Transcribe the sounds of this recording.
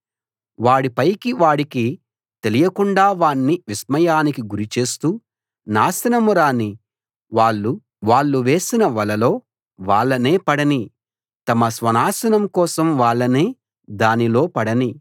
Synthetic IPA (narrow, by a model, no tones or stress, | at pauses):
ʋaːɽipɐjkiʋaːɽiki | t̪e̞lijɐkuɳɖaːʋaːɳːiʋismɐjaːnikiɡuɾit͡ʃe̞ːst̪uː | naːsɐnɐmuɾaːni | ʋaːɭːu | ʋaːɭːuʋe̞ːsinɐʋɐlɐlo̞ː | ʋaːɭːɐne̞ːpɐɽɐni | t̪ɐmɐsʋɐnaːsɐnɐmkɔːsɐmʋaːɭːɐneː | d̪aːnilo̞ːpɐɽɐni